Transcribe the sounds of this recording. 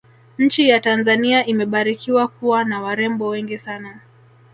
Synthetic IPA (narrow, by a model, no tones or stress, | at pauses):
ɲ̩t͡ʃijatanzaniaʔimɛɓaɾikiwakuwanawaɾɛmbɔwɛŋɡisana